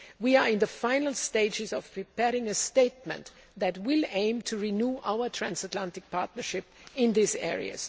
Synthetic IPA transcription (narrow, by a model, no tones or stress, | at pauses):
wiə˞ɪ̃nðəfãɪ̃nl̩ˠsteɪd͡ʒɪzɔv̥pʰɹ̥ipʰɛɹɪ̃ŋɨsteɪt̚mɨ̰̃n | ðætwɪlẽɪ̃mtʰuɹinjuːʔaʊə˞tʰɹ̥æ̃nsətlæ̃ntɪk̚pʰa̰ɹtⁿnə˞ʃɪp̚ɪ̃nðisɛ̰ɹḭɨ̰z̥